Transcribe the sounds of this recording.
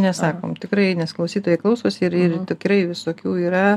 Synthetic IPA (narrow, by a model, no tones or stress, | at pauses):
nʲɛsɑːko̰ːmt̪ʲɪkɾɐɪnʲɛsklˠɐʊsʲiːt̪oːjɛɪklˠɐʊsoːsʲɪrɪrt̪ʲɪkɾɐɪʋʲɪsoːkʲuːiːɾɐ